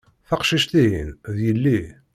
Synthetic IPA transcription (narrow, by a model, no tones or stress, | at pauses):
θæqʃiʃt̪iɦinðjəlːi